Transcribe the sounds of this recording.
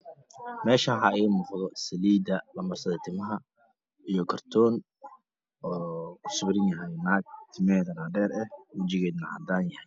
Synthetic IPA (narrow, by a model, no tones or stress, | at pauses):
mɛːʃɐːɦaɪːmʊqðɔsɐliːd̪ɐlɐmɐrsɐðɐt̪ʰɪmɐɦɐ | ijɞkʰɐrt̪ʰɔːn | ɔːʊsʊbɾɪnjɐɦɛjnaːɡ̚t̪ʰɪmɛːðɐnaːɖɛːɾɛhwɐt͡ʃɪɣɛːðnɐʕɑ̰d̪aːnjɐhɛj